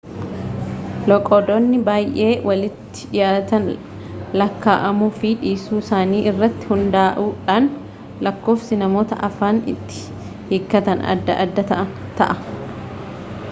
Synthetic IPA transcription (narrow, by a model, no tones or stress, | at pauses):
lɔkʼɔd̪ɔnːɪbaːjʔeːwʔɐlɪt̪ːɪ̥jaːt̪ɐn | lɐkːaːʔɐmuːfɪᶑiːsuːsaːniːʔɪrːɐt̪ːɪ̥hʊnd̪aːʔuːᶑaːn | lɐkːo̞ːfsɪnɐmo̞ːt̪ɐ̰ʔɐfaːnɪ̰t̪ːɪ̥ | hɪkːɐt̪ɐnɐ̰d̪ːɐ̰ʔɐd̪ːɐt̪ɐʔɐnt̪ɐ̰ʔɐ